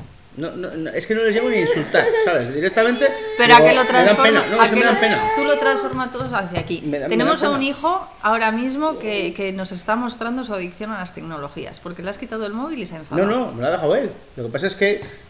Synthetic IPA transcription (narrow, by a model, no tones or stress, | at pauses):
nononoe̞ske̞nole̞zʝeoniinsult̪aɾsaβezðiɾek̚t̪amẽnt̪epe̞ɾoaelot̪ɾaðamoenanoeaskeeeðampena̰t̪ulot̪ɾansfoɾmat̪oðosaθjakimeenemo̞saunixo̞ao̞ɾamizmo̞keke̞no̞se̞st̪amo̞st̪ɾand̪osuaðikθjo̞nalast̪e̞kno̞lo̞xia̰spo̞ɾke̞leaskit̪aðoe̞lmo̞β̞ilisaeɱfanono̞molaðexawe̞l | lo̞ke̞pas̬aeske